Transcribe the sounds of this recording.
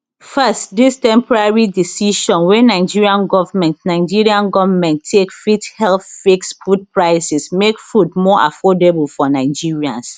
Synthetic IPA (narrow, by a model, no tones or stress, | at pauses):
fɛstdistɛ̃mpɔɹaɹidisiʃɔ̃nwɛnaɪd͡ʒiɹiãnɡɔvmɛ̃ntnaɪd͡ʒiɹiãnɡɔvmɛ̃ntʰːekfithɛlθfikspud̚pɹaɪsɛsmekfudmɔʔa̰fɔdebulfɔnaɪd͡ʒiɹiãns